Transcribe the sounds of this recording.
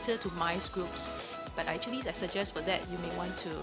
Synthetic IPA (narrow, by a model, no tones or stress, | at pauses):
tətumaɪsɡɹups | b̥atak̚t͡ʃuəlisajsəd͡ʒɛstfɔd̪ɛ̰tjumewɔ̃ntʰu